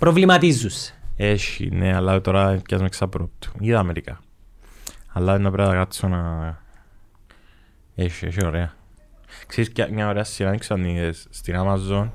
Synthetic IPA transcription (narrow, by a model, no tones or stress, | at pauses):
pɾovlimɐt̪izːusːe̥eʃḭnealːaðet̪oɾɐːɐzmeksɐpɾop̚t̪u̥iðɐmeɾikɐ̰ | ɐlːaðenːɐpɾeðɐkat͡sːona | eʃieʃioɾeɐ | kseɾisaɲɲaoɾeɐst̪iɾaniksanisst̪iɾamɐzːon